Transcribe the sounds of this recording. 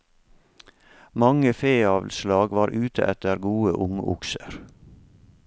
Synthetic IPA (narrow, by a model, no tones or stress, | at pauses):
mɑŋəfeːɑːʋl̩slɑːɡʋɑːɾʔʉːt̪ʰə̰ʔɛt̪əɾɡuːə̰ʔʊŋʔʊ̰ksəɾ